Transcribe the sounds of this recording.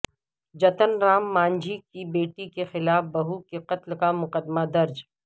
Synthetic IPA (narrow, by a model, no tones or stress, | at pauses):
d͡ʒɐt̪ənɾaːmːãːnd͡ʒʱikibeːʈikexɪlaːfbɐɦukeqɐt̪lkamʊqəd̪mad̪ɐɾd͡ʒ